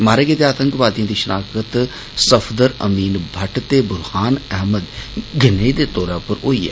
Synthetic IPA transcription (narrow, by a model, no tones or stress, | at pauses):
maːɾeːɡed̪eaːt̪əŋkʋaːd̪ijãːd̪iːʃənʔaːkət̪ | səpʰd̪əɾə̰miːnbʱəʈt̪eːbʊɾhaːnɛɦməd̪ɡɪneːd̪eːt̪ɔːɾaːpəɾoiːɛ̰ː